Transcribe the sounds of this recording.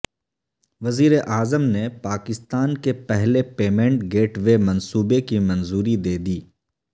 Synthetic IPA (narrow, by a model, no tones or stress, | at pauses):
ʋɐziːɾeʔaːzəmnepaːkɪst̪aːnkepɛɦlepeːmẽɳʈɡeːʈʋemɐ̃nsuːbekimɐ̃nzuːɾid̪eːd̪iː